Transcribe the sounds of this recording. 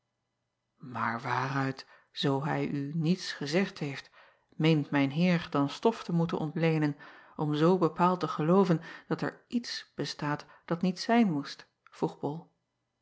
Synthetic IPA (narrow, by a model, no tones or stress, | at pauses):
ma̰ːɹʋaːrœɥt | z̥owɦɛjʔynitsχəzɛχtɦejft | mejntmɛjnɦɪːɹdɑnstɔftəmutə̰nʔɔntlejnənʔɔmzowbəpaːlˠtəχəlowvənd̥ɑtɛ̰ɹʔitsb̥əstaːt | d̥ɑtnitsɛjnmust | v̥ruχbɔlˠ